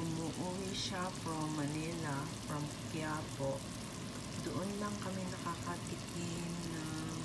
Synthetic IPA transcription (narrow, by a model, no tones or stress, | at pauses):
ʊnuʔuwiʃafɾamːɐnilafɾɐmkjapoʔ | d̪oʔonlɐŋkɐmɛnɐkakɐt̪ɪk | ɪnna